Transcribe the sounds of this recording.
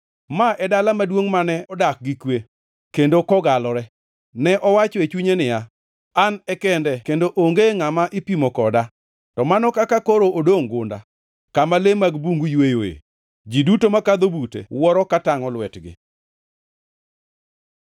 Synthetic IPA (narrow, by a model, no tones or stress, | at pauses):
maʔɛdalamadwoŋmanɛɔdak̚ɡikwe | kendokɔɡalɔɾɛ | nɛʔɔwat͡ʃɔet͡ʃuɲenɪja | anɛkɛndɛkendoʔoŋɡeŋamaʔɪpimɔkɔda | tɔmanɔkakakoɾoʔodoŋɡʊnda̰ | kamalemaɡbuŋɡujwejojḛ | d͡ʒidutomakad̪obutḛwɔɾɔkataŋɔlwɛtɡɪ̰